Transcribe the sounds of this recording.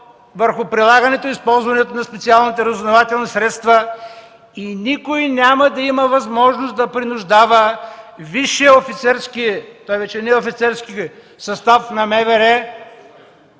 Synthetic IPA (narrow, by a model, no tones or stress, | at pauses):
vəɾxʊpɾilˠaɡənɛt̪oispɔlˠzvɐnɛt̪onɐspɛt̪sialˠnit̪ɛɾɐzʊvnovat̪ɛlˠnisɾɛt̪st̪və | inikoinʲaməd̪ɐiməvɐzmɔʒnosd̪ɐpɾinʊʒd̪avəviʃɛofit̪sɛɾskit̪ɔjvɛt͡ʃɛnɛofit̪sɛɾski | sɐst̪afnɐmɛvɛɾɛ